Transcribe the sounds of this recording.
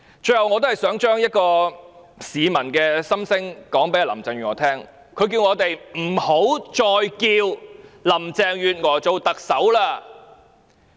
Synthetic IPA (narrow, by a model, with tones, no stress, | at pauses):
t͡ʃɵ˧jhɐ˨wŋɔː˨˧t̪o˥hjsœː˨˥ŋt͡ʃœː˥ŋjɐ˥t̚kɔː˧ | siː˨˧mɐ˨˩nkɛː˧sɐ˥msɪ˥ŋkɔː˨˥ŋpe˨˥jaː˨˩lɐ˨˩mt͡sɛː˨˧ŋjyː˨˩ŋɔː˨˩t̪ʰɛː˥ŋ | kʰɵ˨˧ɥkiː˧wŋɔː˨˧t̪e˨jm̩˨˩ho˨˥wt͡ʃɔː˧jkiː˧wlɐ˨˩mt͡sɛː˨˧ŋjyː˨t̚ŋɔː˨˩t͡so˨wt̪ɐ˨k̚sɐ˨˥wlaː˥